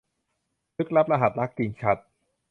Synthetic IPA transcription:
nɯ˦˥k̚ɾa˦˥p̚ɾa˧ɦa˨˩t̪̚la˦˥kːi˧ŋt͡ɕʰa˦˥t̪̚

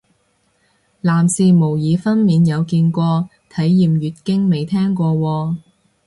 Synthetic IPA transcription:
laː˨˩msiː˨mo˨˩wjiː˨˧fɐ˥nmiː˨njɐ˨˧wkiː˧nkʷɔː˧ | t̪ʰɐ˨˥jːiː˨mjyː˨t̚kɪ˥ŋme˨jt̪ʰɛː˥ŋkʷɔː˧wɔː˧

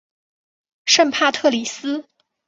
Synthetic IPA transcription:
ʂə˥˧npʰa˥˧t̪ʰɤ˥˩li˨˩sɹ̩˥

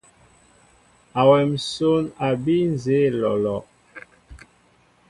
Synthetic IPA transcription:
a˨wɛ˨m˨so˦na˨bi˦n˨ze˨˦lɔ˨lɔ˨

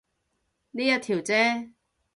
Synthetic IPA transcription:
niː˥jɐ˥t̪ʰiː˨˩wt͡sɛː˦˥

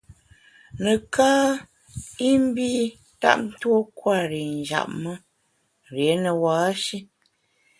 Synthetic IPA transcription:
nə˨kʰaː˦ | i˦m˦bi˦ | ta̰˦ʔ̚n̩˦two˦kwa˦˨ɾi˨n˨d͡ʒa̰˨p̚mə˦ | ɾje˨˦nə˨waː˨˦ʃi˦

